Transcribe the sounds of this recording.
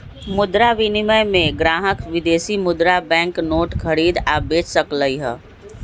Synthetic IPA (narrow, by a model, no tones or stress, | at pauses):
mʊd̪ɾaʋɪnɪməjmẽɡɾaːɦəkʋɪd̪eːsimʊd̪ɾabɛ̃ːŋknoːʈkʰəɾiːd̪aːbeːt͡ʃsəkləiɦɛː